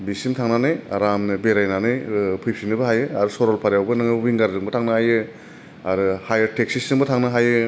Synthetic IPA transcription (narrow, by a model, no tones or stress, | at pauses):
bisimtʰaŋnanɯjaɾamnɯbeɾajnanɯjpʰɯjpʰinɯbɯɦajɯaɾusɔɾɔlpʰaɾjawbɯnɯŋwiŋɡaɾdɯŋbɯtʰaŋnɯhajɯ | aɾɯhajɐɾtek̚sisɯŋbɯtʰaŋnɯɦajɯ